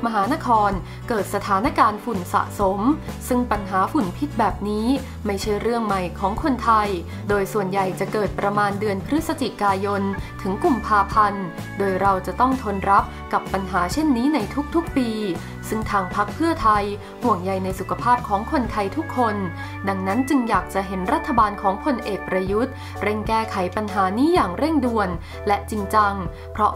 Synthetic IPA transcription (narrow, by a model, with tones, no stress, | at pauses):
ma˧ɦaː˩˦na˦˥kʰɔː˧n | kɤː˨˩t̪̚sa˧t̪ʰaː˩˦na˦˥kaː˧nfu˨˩nsa̰˨˩ʔso˩˦msɯ˥˩ŋpa˧nɦaː˩˦fu˨˩npʰi˦˥t̪̚bɛː˨˩p̚niː˦˥ | ma˥˩jt͡ɕʰa˥˩jɾɯ˥˩əŋma˨˩jkʰɔː˩˦ŋkʰo˧nt̪ʰa˧j | doː˧jsu˨˩ənja˨˩jt͡ɕa˨˩kɤː˨˩t̪̚pɾa˧maː˧ndɯ˧ənpʰɾɯ˦˥t̪̚sa˧t͡ɕi˨˩kaː˧jo˧nt̪ʰɯ˩˦ŋku˨˩mpʰaː˧pʰa˧n | doː˧jɾa˧wt͡ɕa˨˩t̪ɔ˥˩ŋt̪ʰo˧nɾa˦˥p̚ka˨˩pːa˧nɦaː˩˦t͡ɕʰe˥˩nːiː˦˥na˧jt̪ʰu˦˥k̚t̪ʰu˦˥k̚piː˧ | sɯ˥˩ŋt̪ʰaː˧ŋpʰa˦˥k̚pʰɯ˥˩ɐt̪ʰa˧j | hu˨˩əŋja˨˩jna˧jsu˨˩kʰa˧pʰaː˥˩p̚kʰɔː˩˦ŋkʰo˧nt̪ʰa˧jt̪ʰu˦˥kʰːo˧n | da˧ŋna˦˥nt͡ɕɯ˧ŋjaː˨˩k̚t͡ɕa˨˩ʔɦe˩˦nɾa˦˥t̪ʰːa˧baː˧nkʰɔː˩˦ŋpʰo˧nʔeː˨˩k̚pɾa˧ju˦˥t̪̚ | ɾe˥˩ŋkɛː˥˩kʰa˩˦jpa˧nɦaː˩˦niː˦˥jaː˨˩ŋɾe˥˩ŋdu˧ən | lɛ˦˥ʔt͡ɕi˧ŋt͡ɕa˧ŋ | pʰɾɔ˦˥